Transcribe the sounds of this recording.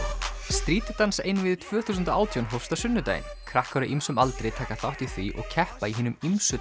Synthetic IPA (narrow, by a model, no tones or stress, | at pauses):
st̪ɾiːt̪ɪt̪ansḛjnvɪðt̪ʰvœːθusʏnt̪aa̰ːwt̪ʰjownɦowst̪asʏnːʏt̪a̰ːjɪ̰nkʰɾahkœɾʏʔimsʏmalt̪ɾejt̪ʰaːkaθawht̪iθviʔɔ̰ɣcʰɛhpaiɦɪːnʏmimsʏ